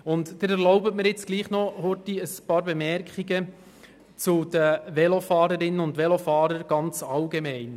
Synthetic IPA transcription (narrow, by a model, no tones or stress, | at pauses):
ʊntdɪɾɛɾlɔʊbətmɪɾjɪt͡sɡ̥liːχnɔhotiəspɑːɾbemɛɾkχiɡə | t͡sud̥əʋɛlofɑːɾəɾɪnːənʊndʋɛlofɑːɾəɾɡ̥ɑnt͡sɑlɡemɛɪn